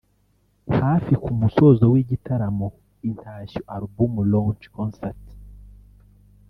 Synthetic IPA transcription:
haːfikumuso̞zowiːɟitʰaɾamo | intʰaːɕuʔaɾubumulont͡ʃkonsaɾt

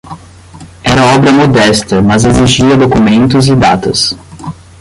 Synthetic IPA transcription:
ɛɾɐɔbɾɐmod̪ɛst̪ɐmɐzeziʒiɐd̪okumẽnt̪ʊzɪd̪a̰t̪ɐ̰s

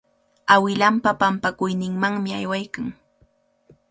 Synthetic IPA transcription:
awɪlampapampakʊjnɪŋmaŋmɪajwajkaŋ

